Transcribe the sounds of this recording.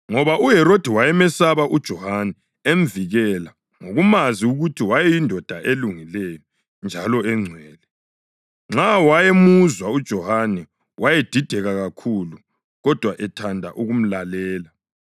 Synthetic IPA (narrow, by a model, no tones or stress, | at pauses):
ŋɔβaʔuɦɛɾod̥ʱiwajɛmɛsaβaʔud̥ʒ̥ʱɔhanɛ | emviɣɛla | ŋoɣumaziuɣutʰiwajɛjindʱɔd̥ʱaʔeluŋilɛjɔ | nd͡ʒʱalɔɛŋ͡ǀʱɛːlɛ | ŋ͡ǁawajemuzwaud̥ʒ̥ʱɔhanɛ | wʔajed̥ʱid̥ʱɛɣaɣakʰulu | ɣɔd̥ʱwaʔɛtʰandʱa̰ʔuɣum̩lalɛːla